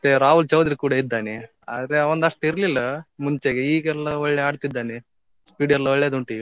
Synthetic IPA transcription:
ɐt̪ːeɾaːɦult͡ʃɐwd̪ɾikuːɽaid̪ːaːni | a̰ːd̪ɾeɐʋɐnd̪ɐʂʈiɾlilːɐmuɲt͡ʃeɡeiːɡɛlːɐɔɭːeaːɽt̪id̪ːaːni | spiːɽɛlːɐɔɭːeːd̪uɳʈi

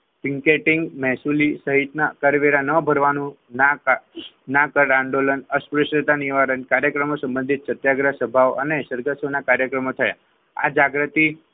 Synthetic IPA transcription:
piŋkeʈɪŋɡmɛɦsulisəɦit̪nakəɾʋeɾanəbʱəɾʋanũ | na | nakəɾãɳɖolənəspɾɪʃɾət̪aniʋaɾənkaɾjəkɾəmosə̃mbənd̪ʱit̪sət̪jaɡɾasəbʱaʋoʔə̰nesəɾɡəsonakaɾjəkɾəmot̪ʰəja̰ | a̰d͡ʒaɡɾət̪i

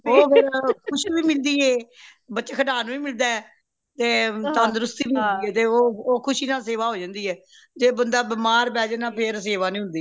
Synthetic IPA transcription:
oːpʰɪɾkʰʊʃʋiːmɪld̪iːɛː | bətːt͡ʃeːkʰəɖaːnũːʋiːmɪld̪aːɛ | t̪eːt̪ãːnd̪ɾʊst̪iːiːɦ̪d̪iːɛːt̪eːoːoːkʰʊʃinãːseːʋaːɦoːd͡ʒãːnd̪iːɛː | d͡ʒeːbənd̪aːbɪmaːɾbɛːd͡ʒnãːpʰɪɾs̬eːʋaːnĩːɦʊ̃nd̪iː

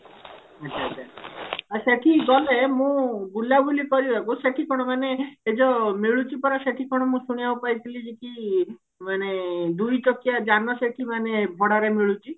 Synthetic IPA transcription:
ətːʰaːt͡ʃʰaaseʈʰiɡɔlemũbulabʱulipɔɾibakuseʈʰikʰɔɽ̃ɔmaneed͡ʒɔmiɭut͡ʃipɔɾaseʈʰikʰɔɽ̃ɔmũsuɽ̃ijaupajt̪ʰilid͡ʒiki | maned̪ujt͡ʃɔkijad͡ʒanɔseʈʰimanebʱɔɽaɾemiɭut͡ʃi

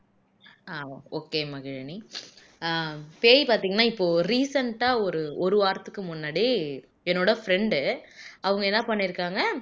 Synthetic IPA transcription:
aːoːkeːmɐɡɪɻɐni | peːjipaːɾt̪iːŋɡɐnːaːɪpːoːɾiːsɐɳʈaːɔɾɯɔɾɯʋaːɾt̪ɯkːɯmʊnːaːɽi | ɛnːoːɽɐfɾɛɳɖɯɐʋɯŋɡɐɛnːɐpɐɳːɪɾɯkːaːŋɡɐ

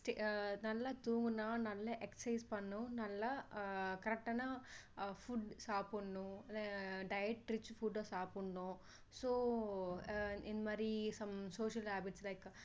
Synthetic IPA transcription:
sʈenɐlːɐt̪uːŋɡɯnaːnɐlːɐʔɛksɐɪspɐɳːũnɐlːɐkɐɾɐk̚ʈɐnafuɖsaːpuɳːũlɖɐjɛʈɾɪt͡ʃːfuɖsaːpuɳːũ | soː | ind̪ɐmaːd̪ɾisɐmsoːʃɐlɦaːbɪʈslɐɪk

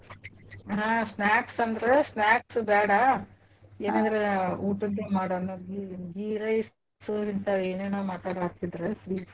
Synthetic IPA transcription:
ɦaːsnaːksɐnd̪ɐɾesnaːksbɛːɽɐ | eːnɐnd̪ɾeuːʈunt̪emaːɽɐnːoɡiɡiɾɐjs | suint̪ɐeːneːnoːmaːʈaːɽaːk̚t̪id̪ɾesʋi

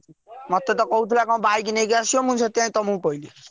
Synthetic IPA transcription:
mʌt̪ːet̪ɔkɔɦut̪ʰilakãw̃bajk̬inejkasiomũnt͡sʰɔt̪jãĩt̪ɔmũkoili

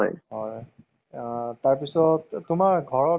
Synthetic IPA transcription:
ɔ̰jɦɔj | taɹpisɔttʊmaɹɡʱɔɹɔ

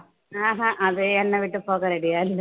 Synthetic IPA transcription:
aːɦãʔɐðɨɛnːɐʋiʈːɯpoːkɐɾɐɽijaːɪlː

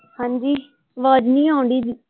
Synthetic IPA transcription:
hãːɲd͡ʒiː | ʋaːd͡ʒnĩːãːʊ̃ɳɖiːd̪

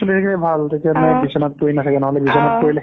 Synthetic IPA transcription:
solisekilɛbʱalt̪etianajbisɔnat̚poinasɛkɛnɔɦɔlɛbisɔnat̚koɹilɛ

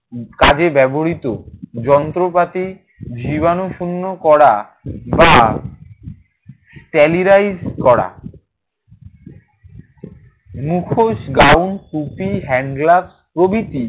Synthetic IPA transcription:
kad͡ʑebɛboɾit̪od͡ʑɔnt̪ɾopat̪i | d͡ʑiβanoʃunːokɔɾa | ba | sʈɛliɾajd͡ʑkɔɽa̰ | mukʰoʃɡawnkupiɦɛɳɖlabspɾobit̪i

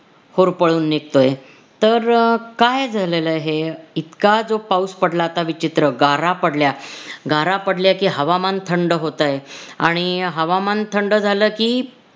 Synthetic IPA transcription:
hoɾpəɭuːnːekt̪oje | t̪əɾkajd͡zʱaleləɦeit̪kad͡zopauspəɽlaːt̪aʋit͡ɕit̪ɾəɡaɾapəɽljaɡaɾapəɽljakiːɦəʋamant̪ʰəɳɖəɦot̪ajea̰ɽ̃iɦəʋamant̪ʰəɳɖəd͡zʱaləːkiː

